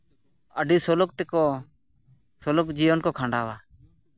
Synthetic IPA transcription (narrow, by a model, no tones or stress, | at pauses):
əɖisɔlɔk̚t̪ɛkɔ | sɔlɔkd͡ʒijɔnkɔkʰãɳɖawa